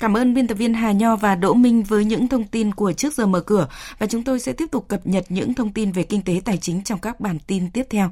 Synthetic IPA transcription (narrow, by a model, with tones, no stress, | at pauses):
kaː˧˩mʔəː˧nɓi˧nt̪̚ːvi˧ənɦaː˨˩ɲɔ˧vaː˨˩ɗo̰˧˥mï˧ŋ̟vəː˨˦jɲɨ̰˧˥ŋt̪ʰə˧wŋ͡mt̪i˧nku˧˩ət͡ɕɨ˦˥ək̚zəː˨˩məː˨˩kɨ˧˩əvaː˨˩t͡ɕʊ˨˦ŋ͡mt̪o˧jsɛ̰˧˥t̪i˦˥əp̚t̪ʊ˨˩k͡p̚kːə˨˩p̚ɲə˨˩t̚ɲɨ̰˧˥ŋt̪ʰə˧wŋ͡mt̪i˧nve˨˩kï˧ŋ̟t̪e˨˦t̪aː˨˩jt͡ɕï˨˦ŋ̟t͡ɕɔ˧wŋ͡mkaː˦˥k̚ɓaː˧˩nt̪i˧nt̪i˦˥əp̚t̪ʰɛ˧w